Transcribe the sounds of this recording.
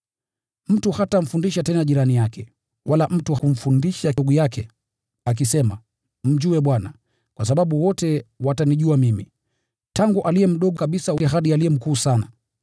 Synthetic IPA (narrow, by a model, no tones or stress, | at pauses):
m̩tuhatam̩fundiʃatɛnaʄiɾanijakɛ | walaʔm̩tuum̩fundiʃaɡɔjakʰɛ | ak̬isɛma | m̩ʄuwɛɓwana | kwasaɓaɓuwɔtɛwataniʄuamimi | taŋɡuʔalijɛm̩ɗɔɡɔkaɓisawɦaɗialijɛm̩kuːsana